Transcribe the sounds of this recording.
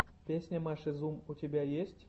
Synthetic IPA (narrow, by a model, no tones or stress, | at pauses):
pʲesʲnʲəmaʃɨzumutʲebʲajesʲtʲ